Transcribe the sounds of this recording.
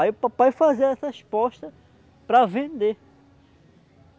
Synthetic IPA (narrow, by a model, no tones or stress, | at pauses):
ajʊpapajfazeɾɛsɐhespɔʃt̪ɐ | pɾɐvẽnd̪e